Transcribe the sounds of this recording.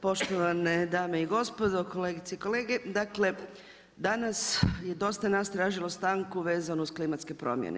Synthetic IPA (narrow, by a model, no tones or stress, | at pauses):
po̞ʃt̪oʋaned̪aːmeiɡo̞spo̞d̪oko̞leːɡit̪seiko̞leːɡe̞d̪akle̞ | d̪anasje̞d̪o̞st̪anast̪ɾaːʒilost̪aːŋkuʋe̞ːzanousklimat̪ske̞pɾo̰mjḛnḛ